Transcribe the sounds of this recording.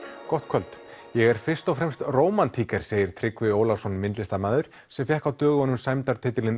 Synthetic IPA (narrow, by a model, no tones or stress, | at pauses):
kɔht̪̚kʰœlt̪jɛɣɛɾ̥fɪr̥st̪ɔfɾɛmst̪roːwmant̪ʰiːkɛɾ̥seːjɪɾ̥t̪ʰɾɪkvɪowlawsɔnmɪnt̪lɪst̪amaːðʏɾ̥ | sɛmfjɛhkawt̪œːɣʏhɔnːʏmsajmt̪aɾt̪ʰɪːt̪ɪlɪn